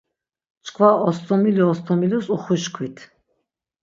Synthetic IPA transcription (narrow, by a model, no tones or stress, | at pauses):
t͡ʃkʰvaɔst̪ʼɔmiliɔst̪ʰʼɔmilisuχwiʃkʰwit̪ʰ